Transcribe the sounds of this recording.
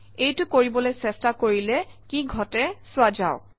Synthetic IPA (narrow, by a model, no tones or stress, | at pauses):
ejtʊkoɹibɔlojsɛstakoɹilɛkiɡʱɔtɛsʊad͡ʒaʊk